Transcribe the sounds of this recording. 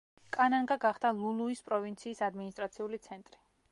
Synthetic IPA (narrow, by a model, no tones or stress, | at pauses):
kʼanaŋɡaɡaχd̪alˠulˠuispʼɾɔvint̪sʰiːsad̪minist̪ʼɾat̪sʰiulit̪sʰɛnt̪ʼɾi